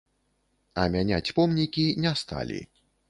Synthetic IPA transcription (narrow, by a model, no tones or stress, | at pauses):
ɐmʲanʲat͡sʲpɔmnʲikʲinʲɛst̪a̰lʲḭ